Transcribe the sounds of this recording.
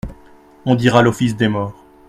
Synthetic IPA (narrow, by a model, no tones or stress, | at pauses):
ɔ̃d̪iʁalɔfis̬d̪emɔːʁ